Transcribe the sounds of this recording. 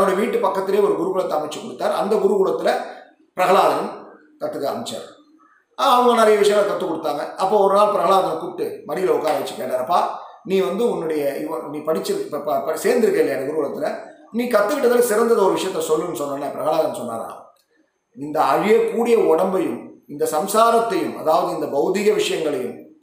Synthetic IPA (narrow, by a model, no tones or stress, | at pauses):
ɐʋɐɽɐʋiːʈːɯpɐkːɐt̪ːɪleːɔɾɯɡʊɾʊkuːɽɐt̪ːɐːmɐɪt͡ʃːɯkːɔɽɯt̪ːaːɾɐ̰nd̪ɐɡʊɾɯkuɽɐt̪ːɪlɐ | pɪɾɐɣɐɭaːðɐjɐm | kɐt̪ːɯkːɐ̰mɐɪt͡ʃːa̰ːɾ | aːɐʋɐŋɡɐnɛɾɐjɐʋɪʂɐjɐ̃ŋɡɐlɐkɐt̪ːɯkɔɽɯt̪ːaːŋɡɐɐpːoːɔɾɯnaːlpɪɾɐɣɐɭaːðɐɐmkʊʈːɯmɐɽɪjɪlɐʊkːaːɾɐʋɐt͡ʃːɯ̥kːḛːʈːaːɾɐpːaːniːʋɐnd̪ɯʊnːɯɽɐjɐɪʋɐniːpɐɽɪt͡ʃːɯpːpɐpɐseːɾnd̪ɪɾɯkːɐːɪlːɐjaːnɐʊɾɯʋɐɭɐt̪ːɪlɐniːkɐt̪ːɯkɪʈːɐt̪ɪlsɪɾɐnd̪ɐðɐɔɾɯʋɪʂɐjɐt̪ːɐsɔlːɯnːɯsɔnːɐnːɐpɪɾɐɣɐɭaːðɐnːsɔnːa̰ːɾa̰ː | ɪnd̪ɐɐɻɪjeːkuːɽɪjɐɔɽɐmbɐjɯmɪnd̪ɐsɐmsaːɾɐt̪ːɐjɯmɐ̰ðaːʋɐðɯɪnd̪ɐbɐɣɯðɪɣɐʋɪʂɐjɐŋɡɐɭɐjɯ̰m